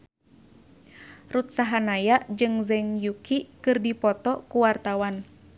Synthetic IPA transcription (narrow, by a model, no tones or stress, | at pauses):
rut̪saɦanajaʔd͡ʒɨŋzɛŋjukʰikɨrdipɔt̪ɔkuwart̪awan